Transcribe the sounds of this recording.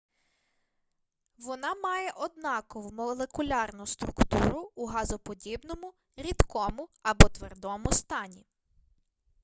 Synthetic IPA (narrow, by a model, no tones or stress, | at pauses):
ʋɔnɑmɑjɛʔɔd̪nɑkɔʋʊmɔlˠekʊlʲɑrnʊst̪ɾʊkt̪ṵɾʊːɦɑzɔpɔdʲibnɔmʊ | ɾʲid̪kɔmʊɐbɔt̪ʋerd̪ɔmʊst̪ɑnʲi